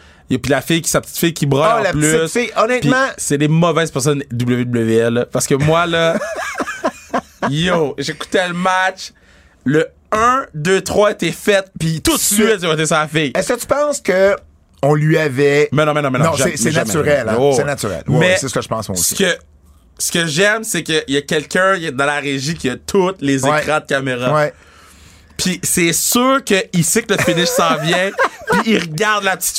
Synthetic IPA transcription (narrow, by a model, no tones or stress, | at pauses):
jopilafɪjkʲi̥sapət̪i̥t̪fɪjkʲibʁɑ̃lapplytsfɪjɔnɛt̪pimãsɛd̪emɔvɛɪzpɛʁs̬ɔnd̪ubləved̪ubləveɛlpaʁsə̥kəmwalʌ | joʒeku̥t̪ɛləmat͡ʃ | lə | ə̃d̪øt̪χwaet̪ɛfɛt̪̚pit̪ut̪sɥit̪ʒɛvɔt̪̬esafɪjɛskət̪y̥pɑ̃skə | ɔ̃lɥiavɛmɛnɔ̃mɛnɔ̃mɛ̃nnɔ̃ɛsmɛnaɛsyʁɛl̃osɛnat̪yʁɛ̰lwmɛsɛsəkəʒə̥pɑ̰̃smwa̰sikə | sə̥kʲəʒɛmsekəjakʲɛlkʰʲɜ̃d̪ɑ̃laʁeʒikʲiat̪ʰʊt̪lezekʁãd̪̚kameʁawɛ | pʰisɛsyːʁkəisekləfɪnɪʃsɑ̃vjɛ̃piiʁɡaʁd̪lai̥